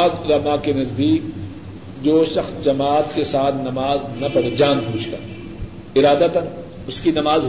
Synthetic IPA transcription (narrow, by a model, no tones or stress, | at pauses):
d̪ɾɐmakenɐzd̪iːk̚ | d͡ʒoːʃɐxsd͡ʒɐmaːt̪kesaːt̪ʰnɐmaːznɐpɐɾd͡ʒãːnpuːt͡ʃʰk̪a̰ː | ɪɾaːd̪at̪ɐn | ʊskinɐmaːz